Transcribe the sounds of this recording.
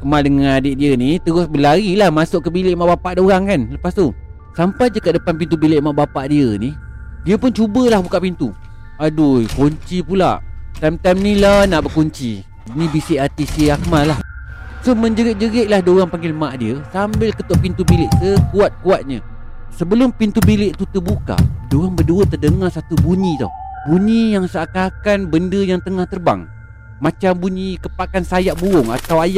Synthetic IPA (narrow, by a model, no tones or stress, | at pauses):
kəmaldəŋanadɪʔdiənit̪əɾʊsbəlaɾilahmasʊʔkːəbilɪʔmaʔbapaʔdoɾaŋkanləpast̪o | sampajd͡ʒəkaʔdəpanpint̪̬ubilɪʔmaʔbapaʔdiənidiəpʊnt͡ʃubəlahbukaʔpint̪u | adojkoɲt͡ʃipula̰ʔt̪amt̪amnilanaʔbəkoɲt͡ʃi | nibisɪʔat̪isiəakəmalah | sohməɲd͡ʒəɾɪʔ̚d͡ʒəɡɪʔlahdoɣaŋpaŋɡɪləmaʔdiəsambɪlkət̪oʔpint̪ubilɪʔsəkuat̪̚kuat̪̚ɲə̰ | səbəlʊmpint̪ubilɪʔt̪ut̪əbuka̰ʔdoɣaŋbəduət̪ːərdəŋarsat̪ubuɲĩt̪o̰buɲijaŋsaʔkakanbəndəjaŋt̪əŋaht̪ərba̰ŋ | mat͡ʃambuɲikəpaʔkansajaʔbuʊŋa̰t̪awajaʔ̚